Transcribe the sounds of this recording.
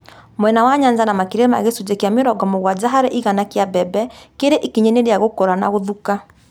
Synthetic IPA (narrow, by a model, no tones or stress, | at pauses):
moɛnawaɲaɲd͡ʒanamakiɾema̰ɣesud͡ʑekeameɾɔɡɔmoɣwad͡ʒaɦaɾɛʔiɣanakeabɛbɛkeɾeʔikiɲɛneɾeaɣokɔɾana̰ɣoðuka